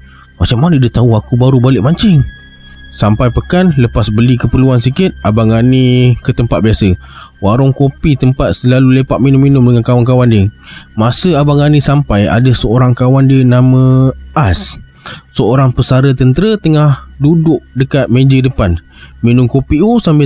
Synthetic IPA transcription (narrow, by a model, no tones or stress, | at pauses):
mat͡ʃamːanədət̪auakubaɾubalɪʔmaɲt͡ʃɪŋ | sampajpəkanləpasbəlikəpərluansikɪt̪̚abaŋanĩkət̪əmpat̪̚biasəwaɾʊŋkopit̪əmpat̪̚səlalulepaʔ̪̚minʊminʊmdəŋankawank̬awandiəmasəabaŋanisampaja̰dəsəoɾaŋkawandiənamə̃as | səoɾaŋpəsaɾət̪ənt̪əɾət̪əŋahdudʊʔ̚dəkat̪̚mẽd͡ʒədəpan | minʊmkopiosambɪ